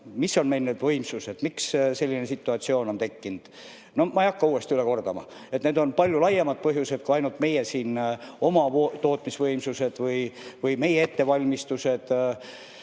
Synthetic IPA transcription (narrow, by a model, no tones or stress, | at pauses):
misːo̞nme̞jlned̪vɤ̞jmsuse̞d̪̥miksse̞lʲːine̞sit̪ːˑuɑt̪sio̞ːno̞nt̪e̞kːind̪̥ | no̞mɑejɑkːɑuːe̞st̪iyle̞ko̞rd̪ɑmɑ̰ | e̞t̪ne̞ːd̪o̞npɑlʲjulɑjemɑd̪̚pɤɦjuse̞d̪̥kuɑjnult̪me̞jesiːno̞mɑt̪o̞ːt̪ˑmisvɤjmsuse̞d̪̥vɯjvɯjme̞jee̞t̪ːe̞vɑlʲmist̪use̞d̪̥